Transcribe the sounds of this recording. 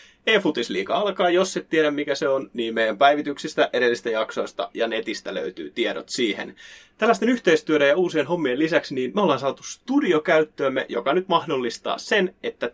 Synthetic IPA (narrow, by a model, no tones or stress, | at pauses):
eːfut̪islḭːkɑ̰ɑlkɑːjosːet̪t̪ːieɾæmmikæseonniːmmeijˑæmpæiʋit̪yksist̪æʔeɾelːist̪æjɑkso̞ist̪ɑ̰jɑnet̪ist̪ælø̰yt̪y̰ːt̪ieɾo̰t̪siːhḛnt̪ælːæst̪enyçt̪eist̪yøɾejɑuːsienɦo̞mːielisæksniːnmæolensɑːt̪ust̪udiokæyt̪ːøːmːḛʔjo̰kɑnyt̪mɑhdolːist̪ɑ̰ːssenet̪ːæ